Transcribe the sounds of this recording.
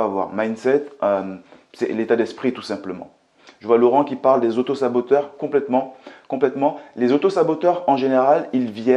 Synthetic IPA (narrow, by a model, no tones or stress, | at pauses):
avwa̰ʁmajnsɛt̪øm | sɛ̰let̪ad̪ɛspχit̪u̥sɛ̃pləmɑ̰̃ | ʒ̥əvwalɔʁɑ̃kʲipaʁld̪ezot̪osabot̪œʁkɔ̃plɛt̪mɑ̃kɔ̃plɛt̪mɑ̃lezot̪osabot̪œʁɑ̃ʒeneʁalilvjɛ